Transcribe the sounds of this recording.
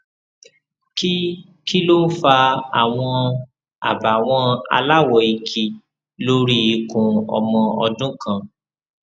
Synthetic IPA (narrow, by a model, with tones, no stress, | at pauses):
ki˦ | ki˦lo˦fa˧a˨w̃ɔ̃˧ | a̰˨ba˨w̃ɔ̃˧a̰˧la˦˨wɔ˨i˧kʰi˧ | lo˦ɾi˦i˧kũ˨ɔ̰˧mɔ̃˧ɔ˧dũ˦kã˧˨